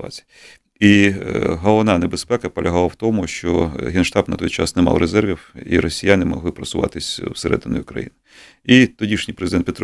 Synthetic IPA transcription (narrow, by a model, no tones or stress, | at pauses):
a̰t͡sʲij | iɦɔlˠɔʋnɑnebespɛkɐpɔlʲɐɦɑlˠɐwt̪ɔmʊʃt͡ʃɔɦinʃt̪ɑbnɐt̪ɔjt͡ʃɑ̰snɛmɑ̰lɾezɛrʋʲiwḭɾɔsʲijanɪmɔ̰ɦlˠɪpɾɐsʊʋɑ̰t̪ɪsʲwseɾɛ̰d̪ɪnʊ̰jʊkɾɐ̰jḭnɪ | it̪ɔdʲiʃnʲijpɾezɪd̪ɛnpʲit̪